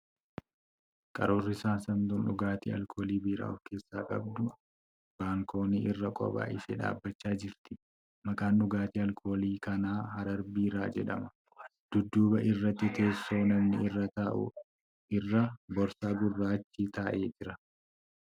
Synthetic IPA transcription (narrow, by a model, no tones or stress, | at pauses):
kʼɐɾoːrːɪsaːsɐnd̪ʊnᶑʊɡaːt̪ḭːɐ̰lkʰo̞ːliːbiːɾa̰ːɔfke̞ːsːaːkʼɐ̰b̚d̪ʊ | b̥aːŋkʰo̞ːniːʔɪrːɐkʼɔ̰ba̰ːʔɪsḛːᶑa̰ːbːɐt͡ʃːaːd͡ʒɪɾt̪ɪ̥ | mɐkaːnɗʊɡaːt̪iːɐlkʰo̞ːliːkɐnaːhɐɾɐɾbiːɾaːd͡ʒɛᶑɐ̰mɐ | d̪̥ʊd̪ːuːbɐʔɪrːɐt̪ːɪt̪ʰe̞ːsːo̞ːnɐmnɪɪrːɐt̪ɐʔʊ̰ | ʔɪrːɐbɔɾsaːɡʊrːaːt͡ʃːiːt̪aːʔe̞ːd͡ʒɪɾɐ